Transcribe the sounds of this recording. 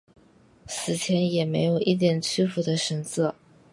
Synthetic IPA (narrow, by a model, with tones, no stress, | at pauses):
sɹ̩˨˩t͡ɕʰjɛ˧˥njɛ˨˩me˧˥ɪjo˨˩ʊʔi˥˩t̪jɛ˨˩nt͡ɕʰy˥fu˧˥d̪ə˧ʂə˧˥nt͡sɤ˥˩